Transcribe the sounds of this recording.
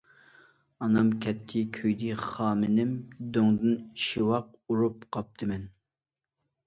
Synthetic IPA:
ɑnɑmkʲʰɛt̪ʰːɪkʲʰøjd̪ɨχɑːmɪnɪmd̪øŋd̪ɨniʃiwɑq̚ | uɾupqʰɑp̚t̪ʰɨmɛn

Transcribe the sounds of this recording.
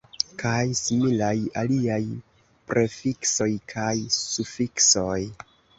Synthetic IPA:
kʰajsimilajaliaj | pɾʔe̞fikso̞jkʰajsufikso̞j

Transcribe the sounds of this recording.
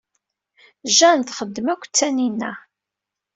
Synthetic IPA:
ʒænt̪χəd̪ːəmækʷːt͡sːæninːæ

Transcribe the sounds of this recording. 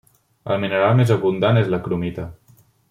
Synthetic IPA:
ə̰lˠminəɾalˠmezəβund̪anezləkɾumit̪ə

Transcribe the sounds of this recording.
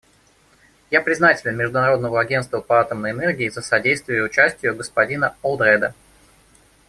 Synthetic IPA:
japɾʲɪznatʲɪlʲɪnmʲɪʐd̪ʊnɐɾo̞d̪̚nəvəɐɡʲenst̪vəpɐat̪əmnəjɛnɛrɡʲɪːzəsɐdʲejst̪vʲɪjʊʊt͡ɕæsʲtʲɪjʊɡəspɐdʲinəolˠd̪ɾɛd̪ə

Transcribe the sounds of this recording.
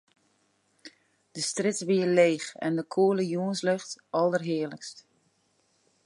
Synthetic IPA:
d̥əstrɪtʋiəleːxɛ̰ndəkʰuələjuənsløxtʔɔlˠərɦɪələkst

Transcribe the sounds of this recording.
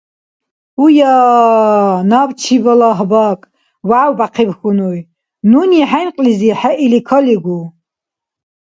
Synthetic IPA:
uja | nabt͡ʃʰibɔlaɦbakʼ | waʕwbaqʰibxunuj | nuniħajnqʼliziħɛʔilikʰɔliɡu

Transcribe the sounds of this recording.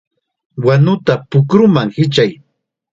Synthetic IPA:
wanʊt̪apʊkɾʊmaŋhɪt͡ʃaj

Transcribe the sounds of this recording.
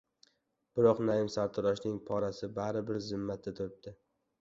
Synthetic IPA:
b̥ɪɾɒqnajɪmsaɾt̪ʰʊɾɒʃnɪŋpʰɒɾasɪbaɾɪbɪɾzɪmːat̪ʰːat̪ʰʊɾɪp̚d̪̥ɪ

